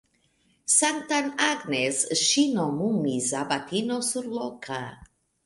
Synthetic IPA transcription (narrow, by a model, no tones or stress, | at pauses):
sant̪anaɡnesʃinomumizabat̪inosuɾlokʰa